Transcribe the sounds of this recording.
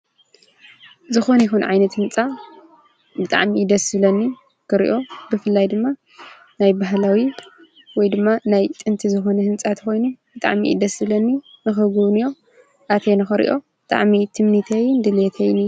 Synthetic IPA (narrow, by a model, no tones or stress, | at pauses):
zɨxo̞nɐjixunʕajnɐt̪hɨnt͡sʼa | bɨt̪ʼa̰ʕmid̪ɐsɨβlɐnːi | kɨɾḭʔo̞bɨfɨlːajd̪ɨmːa | najbaɦlawi | wɔjd̪ɨmːanajt̪ʼɨnt̪ʰizɨxo̞nɐhɨnt͡sʼat̪ʰɨ̥xo̞jnubɨt̪ʼa̰ʕmḭʔɨ̰d̪ɐsɨβlɐnːi | nɨxɨɡuβnɨjo̞ | ʔat̪ʰenɨxɨɾḭʔo̞bɨt̪ʼa̰ʕmit̪ʰɨmnit̪ʰejnd̪ɨlet̪ʰejnɨ